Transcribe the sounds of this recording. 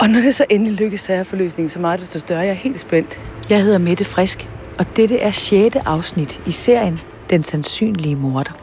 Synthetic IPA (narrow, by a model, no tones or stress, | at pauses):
ʔɒ̽nɒd̥e̝sɒ̽ʔenəliløɡ̥əsːæɐfɒ̽lø̰ːsne̝ŋn̩sɒ̽mɑ̈ːd̥esd̥osd̥ɶɐjɑ̈æɐhe̝̰ːld̥sb̥en̰d̥jɑ̈ɪhe̝ð̰ˠɐmed̥əfʁɛsɡ̥ | ʔɒ̽d̥ed̥əʔæɐɕeːd̥əʔɑ̈ʊsnid̥ise̝ɐ̰jən | d̥ensænsy̰ːnliəmo̝ɐd̥ɐ